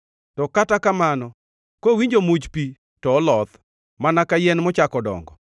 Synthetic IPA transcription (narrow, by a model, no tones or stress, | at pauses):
tɔkatakamanɔ | kowiɲd͡ʒomut͡ʃpi | tɔːlɔt̪ | manakajɛnmɔt͡ʃakɔdɔ̰ŋɡɔ